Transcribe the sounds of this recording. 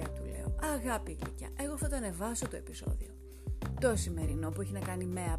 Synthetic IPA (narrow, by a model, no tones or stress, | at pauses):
ɐ̰t̪ulḛoɐɣɐpiklḭcɐ̰ʔe̞ɣo̞θɐt̪oɐne̞vɐsot̪o̞e̞piso̞̰ðio̞ | t̪o̞sime̞ɾino̞pue̞çinɐkɐnimeɐ